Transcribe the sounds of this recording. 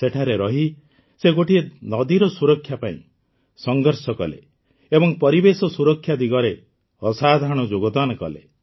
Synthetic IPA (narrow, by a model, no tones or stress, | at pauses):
seʈʰaɾeɾɔɦi | seɡoʈienɔd̪iɾɔsuɾɔkʰːjapaḭ̃ | sɔŋɡɔɾsɔkɔ̰lḛ | ebɔŋpɔɾibesɔsuɾɔkʰːjad̪iɡɔɾe | ɔsad̪ʱaɽ̃ɔd͡ʒoɡɔd̪anɔkɔ̰lḛ